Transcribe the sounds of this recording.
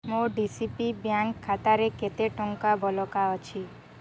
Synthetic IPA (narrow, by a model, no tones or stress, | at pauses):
moɖisipibjaŋkʰːat̪aɾeket̪eʈɔŋkabʱɔlɔkaɔt͡ʃʰi